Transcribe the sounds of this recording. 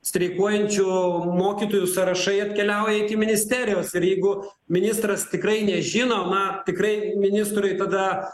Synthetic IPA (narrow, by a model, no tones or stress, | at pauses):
sʲt̪ʲɾʲɛɪkoːjɛnʲt͡ʃʲʊmoːkʲiːt̪oːjʊsɐɾɐʃɐɪɐt̪ʲkʲɛlʲɛʊjɛɪkʲɪmʲɪnʲɪsʲt̪ʲæːɾʲɪjoːsɪɾjɛɪɡʊ | mʲɪnʲɪst̪rɐst̪ʲɪkɾɐɪnʲɛʒʲɪnoːnɐt̪ʲɪkrɐɪmʲɪnʲɪst̪ɾʊɪt̪ɐd̪ɐ